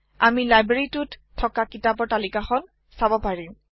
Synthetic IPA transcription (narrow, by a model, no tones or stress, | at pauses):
amilajbɹeɹitutʰːɔkakitapɔɹtalikaxɔn | sabɔpaɹim